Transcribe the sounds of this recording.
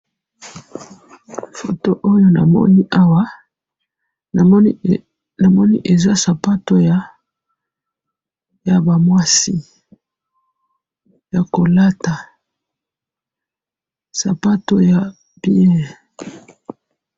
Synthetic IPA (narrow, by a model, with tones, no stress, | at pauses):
fo˨to˦ʔo˦jo˦na̰˨mɔ̰˦ni˦ʔa˦wa˦˨˦ | na˨mɔ˦ni˦ʔe˨za˦sa˨pa˦to˦ja˨ | ja˨ba˨mwa˦si˦ | ja˨ko˨la˦ta˨ | sa˨pa˦to˦ja˨ | b̥i˦ɛ̃˦